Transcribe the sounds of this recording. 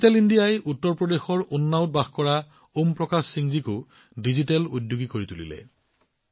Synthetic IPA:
tɛlindijajʔutːɔɹpɹɔdexɔɹunːaʊt̚baxkɔɹa | ompɹɔkassiŋzikʊ | dizitɛludjoɡikoɹitulḭlɛ̰

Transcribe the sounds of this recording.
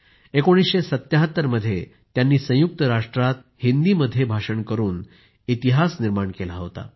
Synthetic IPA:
ekoɽ̃isɕesət̪jaɦət̪ːəɾməd̪ʱːje | t̪janːiːsə̃juk̚t̪əɾaʂʈɾat̪ | hind̪iːməd̪ʱːjebʱaʂəɳkəɾuːn | it̪iɦasniɾmaɳkelaɦot̪a̰

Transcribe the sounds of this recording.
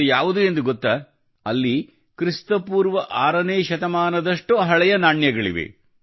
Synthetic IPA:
jaːʋud̪uend̪uɡɔt̪ːɐ | ɐlːi | kɾist̪ɐpuːɾʋɐʔaːɾɐneːʃɐt̪ɐmaːnɐd̪ɐʂʈuɦɐɭɛjɐnaːɳjɐɡɐɭḭʋḛ

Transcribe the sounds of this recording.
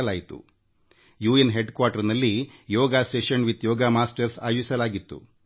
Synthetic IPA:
ɐlaːjit̪ṵ | juːenɦeɖkʋaːɾʈɐɾnɐlːijɔːɡaːseːʃɐnʋit̪jɔːɡaːmaːsʈɐɾsa̰ːjʋisɐlaːɡit̪ːṵ

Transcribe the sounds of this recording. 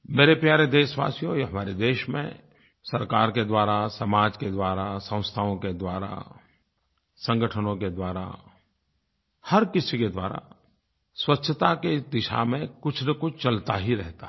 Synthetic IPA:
meːɾepjaːɾed̪eːʃʋa̰ːsijõjɦɐmaːɾed̪eːʃmḛ̃ | sɐɾkaːɾked̪waːɾasəmaːd͡ʒked̪waːɾasə̃ʊ̃st̪ʰaõked̪waːɾa̰ | sə̃ŋɡəʈʰənõked̪waːɾa̰ | hɐɾkɪsiked̪waːɾa̰ | swɐtːʃʰət̪aked̪ɪʃa̰mẽkʊt͡ʃʰnekʊt͡ʃʰt͡ʃɐlt̪aɦiɾɛɦt̪a

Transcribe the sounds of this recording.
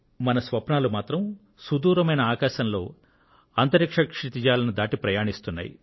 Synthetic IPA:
mɐnɐsʋɐpnaːlumaːt̪ɾɐm | sud̪uːɾɐmɐjnɐaːkaːʃɐnlo̞̰ː | ɐnt̪ɐɾikʂɐkʂit̪id͡ʒaːlɐnud̪aːʈipɾɐjaːɳist̪unːa̰ːjḭ

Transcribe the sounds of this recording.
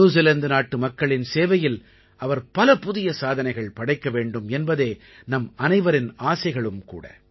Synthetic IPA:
uːs̬ɐlɐnd̪ɯnaːʈːɯmɐkːɐɭɪnseːʋɐjɪl | ʔɐʋɐɾpɐlɐpʊðɪjɐsaːðɐnɐɪɣɐɭpɐɽɐɪkːɐʋeːɳɖɯmɛnbɐðeː | nɐmɐnɐɪʋɐɾɪnaːsɐɪɣɐɭɯmkṵːɽɐ̰

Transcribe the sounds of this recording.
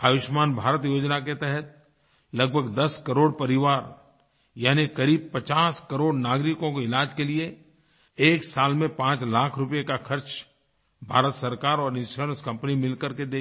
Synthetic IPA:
aːʋɪʃmaːnbʱaːɾət̪joːd͡ʒnak̬et̪ɛɦɛt̪̚ | lɐɡ̚bʱəɡd̪ɐskɐɾoːɽpɐɾɪʋaːɾ | jaːnikɐɾiːb̚pɐt͡ʃaːskəɾoːɽnaːɡɾɪkõkoɪlaːd͡ʒkelie | eːksaːlmẽpãːt͡ʃlaːkʰɾʊpjekaxʰɐɾt͡ʃ | bʱaːɾət̪sɐɾkaːɾɔːɾɪ̃sʰəɾə̃nskɐ̃mpnimɪlkəɾked̪eː

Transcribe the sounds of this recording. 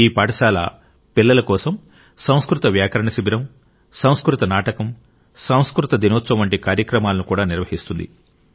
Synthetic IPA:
iːpaːɽɐʃaːlɐ̰ | pilːɐlɐkɔːsɐm | sɐw̃skɾut̪ɐʋjaːkɐɾɐɳɐsibiɾɐm | sɐw̃skɾut̪ɐnaːʈɐkɐm | sɐw̃skɾut̪ɐd̪inoːt̪ːsɐmɐɳʈikaːɾjɐkɾɐmaːlɐnukuːɽaːniɾʋɐɦist̪und̪ḭ

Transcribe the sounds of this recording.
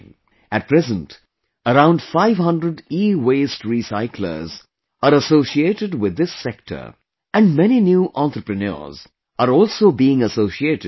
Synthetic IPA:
æt̚pʰɹɛzə̃nt | əɾãʊ̃nɖfaɪʋhʌ̃ndɾəɖiːweːstɹisaɪkʰlə̰z | əɾəsoʊʃieːʈɪɖwɪd̪ːɪsɛk̚ʈʰə̰˞ | æ̃nɖmɛninjuːʔɑ̃nt̪ɾəpɾɨnə̰z | aɾɔːlsoːbiɪ̃ŋəsoʊʃieːtɪ

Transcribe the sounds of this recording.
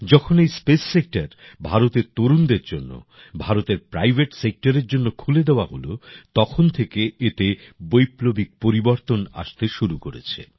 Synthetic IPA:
d͡ʑɔkʰonejspesːek̚ʈaɾbʱaɾot̪eɾt̪oɾund̪eɾd͡ʑonːo̰ | bʱaɾot̪eɾpɾajbʱeʈsek̚ʈaɾeɾd͡ʑonːokʰuled̪eoaɦolot̪ɔkʰont̪ʰekeet̪ebojplobik̚poɾiboɾt̪ona̰ʃt̪eʃuɾukoɾḛt͡ɕʰḛ

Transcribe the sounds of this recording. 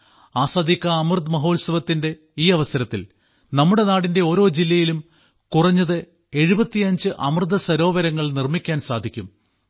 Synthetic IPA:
aːsaːd̪ʱikʲːɐːmrɨd̪mɐɦo̞ːlsɐʋɐt̪ːinde̞ | iːɐʋɐsɐɾɐt̪ːil | nɐmːuɽe̞naːɽinde̞o̞ːɾo̞ːd͡ʑilːɐjilum | kurɐɲːɐðɨ | e̞ɻubɐt̪ːiɐɲd͡ʑɨʔɐmrɨd̪ʱɐsɐɾo̞ːʋɐɾɐŋːɐɭnirmikʲːaːnsaːd̪ʱikʲːum

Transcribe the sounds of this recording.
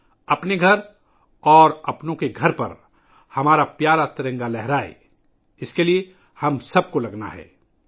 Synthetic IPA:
ɐpneɡʱɐɾ | ɔːɾɐpnõkeɡʱɐɾpɐ̰ɾ | hɐmaːɾapjaːɾat̪ɐɾə̃ŋɡalɛɦɾaːḛ | ɪskelie | hɐmsɐb̚kolɐɡna̰ɦɛ̰ː

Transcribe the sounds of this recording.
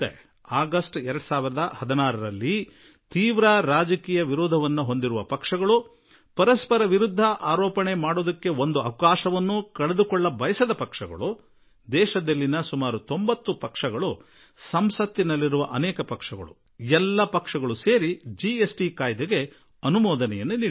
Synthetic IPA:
e | aːɡɐsʈɛɾɐɽusaːʋiɾɐd̪ɐhɐd̪ɐnaːɾɐɾɐlːi | t̪iːʋɾaɾaːd͡ʒɐkiːjɐʋiɾoːd̪ʱɐʋɐnːuɦo̞nd̪iɾuʋɐpɐkʂɐɡɐɭu | pɐɾɐspɐɾɐʋiɾud̪ʱːɐʔaːɾɔːpɐɳe̞maːɽoːd̪ɐkːe̞o̞nd̪uɐwkaːʃɐʋɐnːukɐɭed̪ukɔɭːɐbɐjɐsɐd̪ɐpɐkʂɐɡɐ̰ɭu | d̪ɛːʃɐd̪ɐlːinɐsumaːɾut̪o̞mbɐt̪ːupɐkʂɐɡɐɭu | sɐmsɐt̪ːinɐlːiɾuʋɐʔɐnɛːkɐpɐkʂɐɡɐ̰ɭṵ | ɛlːɐpɐkʂɐɡɐɭuseːɾid͡ʒiesʈikaːjd̪eɡe̞ | ɐnumɔːd̪ɐnɛjɐnːuniːi

